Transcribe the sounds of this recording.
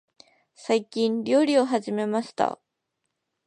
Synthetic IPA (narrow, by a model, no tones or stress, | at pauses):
saikʲĩnɾʲo̞ːɾʲio̞ɦaʑime̞maɕi̥t̪a̰